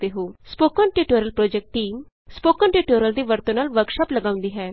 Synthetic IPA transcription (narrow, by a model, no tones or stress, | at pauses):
d̪eːɦoːspoːkə̃nʈiːʈoːɾəlpɾoːd͡ʒɛk̚ʈʈiːm | spoːkə̃ːnʈiːʈoːɾəld̪iːʋəɾt̪õːnaːlʋəɾkʃaːpləɡaːʊ̃nd̪iːɦɛː